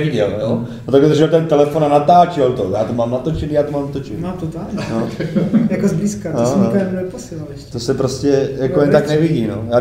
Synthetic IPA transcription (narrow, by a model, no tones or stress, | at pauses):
viɟɛljonot̪akod̪ʒɛt̪ɛnt̪ɛlɛfonanat̪aːt͡ʃɪlt̪ojaːt̪omaːmnat̪o̞t͡ʃɛniːjaːt̪omaːmat̪ot͡ʃɛnimaːmt̪ot̪aːlɲojakozbliːskat̪osannɛposɪlalɛʃt̪osɛpɾoscɛjakojɛnt̪aknɛviɟinojaː